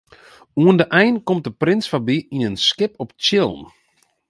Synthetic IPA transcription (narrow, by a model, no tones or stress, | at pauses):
uəndəʔɛjnkɔmt̚dəprɪnsfabiinənskɪpɔpt͡ʃɪlˠm